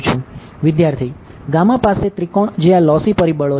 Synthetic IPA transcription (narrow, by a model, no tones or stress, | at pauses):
t͡ʃʰũ | ʋɪd̪jaɾt̪ʰi | ɡamãpaset̪ɾikɔɳd͡ʒeʋãlɔsipəɾibəɭo